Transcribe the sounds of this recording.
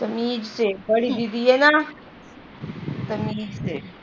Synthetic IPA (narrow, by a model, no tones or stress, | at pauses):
t̪ɐmiːd͡ʒsebɐɽid̪id̪iɦɛna | t̪ɐmiːd͡ʒse